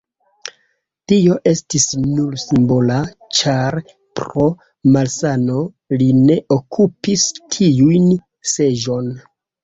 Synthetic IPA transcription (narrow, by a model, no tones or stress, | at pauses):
tio̞ʔe̞stisnuɾsimbo̞la | t͡ʃaɾ | pɾo̞ | malsano̞ | line̞ʔokʰupistʰiujn | se̞ʒo̞n